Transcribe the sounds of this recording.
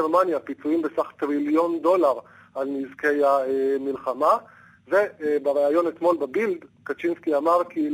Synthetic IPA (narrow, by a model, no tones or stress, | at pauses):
eʁmanjapit͡suimbesaχt̪ʁiljo̞nd̪o̞laʁ | alnizke̞jamilχama | ve̞beʁeajo̞net̪mo̞lbabild̪kat͡ʃinskiamaʁki